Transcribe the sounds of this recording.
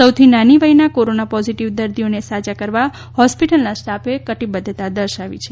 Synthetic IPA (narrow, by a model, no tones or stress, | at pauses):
səwt̪ʰinaniʋainakoɾonapɔziʈiʋd̪əɾd̪ijonesad͡ʒakəɾʋa | hɔspiʈəlnasʈapekəʈibəd̪ʱt̪ad̪əɾʃaʋit͡ʃʰe